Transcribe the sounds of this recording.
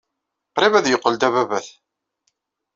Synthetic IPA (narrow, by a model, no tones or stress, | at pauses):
qɾivæðjəqːəld̪æβævæθ